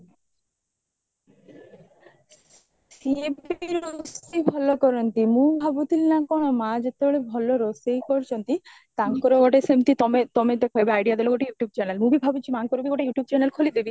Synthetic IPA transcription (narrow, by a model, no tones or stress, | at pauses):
sieiɾosibʱɔlokɔɾont̪imubʱabut̪ilnakɔnomãd͡ʑet̪ːeoɭebʱɔloɾosejkɔɾt͡ɕont̪i | t̪aŋkoɾoɡɔʈesemt̪it̪ɔmet̪ɔmet̪ekʰɔebeajɖijad̪eloɡoʈijuʈjub̚t͡ɕɛnelmubibʱabut͡ɕʰimaŋkoɾobiɡɔʈejuʈijub̚t͡ɕɛnelkʰolid̪ebi